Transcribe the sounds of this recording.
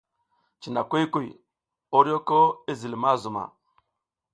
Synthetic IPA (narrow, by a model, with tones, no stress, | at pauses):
t͡ʃi˨na˨kʷu˦ku˦˨j | o˦ɾi˦jo˦ko˦i˦zi˨lma˦zu˨ma̰˨